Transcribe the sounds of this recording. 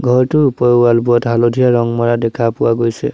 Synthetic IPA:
ɡʱɔɹtʊɹupɔjalbuɔtɦalodʱijaɹɔŋmɔɹadɛkʰapʊwaɡojsɛ̰

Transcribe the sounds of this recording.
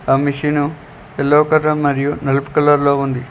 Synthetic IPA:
ɐmiʃinu | elːɐwkɐɾːɐmːɐɾijunɐlɐpu̥kɐlɐɾlo̞ːund̪i

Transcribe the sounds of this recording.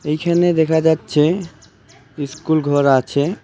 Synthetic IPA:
ejkʰaned̪ekʰad͡ʑatːɕʰe | iskulɡʱɔɾat͡ɕʰe

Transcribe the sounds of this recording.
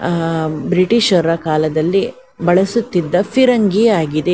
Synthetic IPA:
bɾiʈiʃɐɾɐkaːlɐd̪ɐlːi | bɐɭɐsut̪ːid̪ːɐpʰiɾɐŋɡiaːɡid̪e

